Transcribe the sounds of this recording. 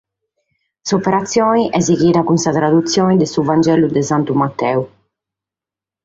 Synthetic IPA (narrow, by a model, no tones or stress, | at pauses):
sɔpɛɾat̪sːjɔːniʔɛziɣiːɾakunsat̪ɾad̪ut̪sːjɔːnid̪ɛsuvand͡ʒɛlud̪ɛzant̪umat̪ːɛu